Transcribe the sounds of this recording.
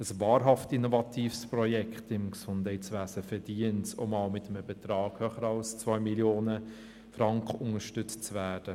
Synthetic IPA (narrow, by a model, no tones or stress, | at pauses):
əsvɑːɾɦɑftinovɑtʰiːfsprɔjɛkχtɪmksʊndhɛɪsʋæːsəfɛɾdiːənsɔ̰mɑːlmɪt̪əməbɛt̪ɾɑːɡ̥hœχəɾɑʊst͡svœjmiljoːnə | fɾɑŋkχʊŋəʃtʏt͡st͡svæːd̥ə